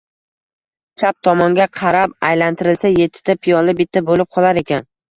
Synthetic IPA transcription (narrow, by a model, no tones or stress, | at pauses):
t͡ʃʰap̚t̪ʰɒmɒŋɡʲaqʰɑɾapajlant̪ʰɪɾɪlsaje̞t̪ʰːɪ̥t̪ʰapʰijɒlɪbɪt̪ʰːabolɪp̚qʰɒlˠaɾe̞kʲan